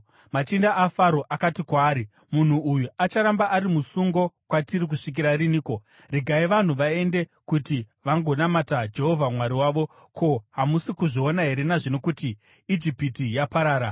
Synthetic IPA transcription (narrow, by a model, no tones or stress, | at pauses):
mat͡ʃindaʔːfaɾo̞ʔakatikwaːɾi | mun̤uujuat͡ʃaɾambaʔaɾimusuŋɡo̞kwatirik̬uʂik̬iɾariniːko̞ | riɡʱaiʋan̤uʋae̞nde̞kuti | ʋaŋɡo̞namatad͡ʒe̞ɦo̞vʱamwaɾiwaːʋo̞ | kʰo̞ɦamusikuʐionaɦe̞ɾe̞naʐino̞kutiː | d͡ʒipitijapaɾaːɾa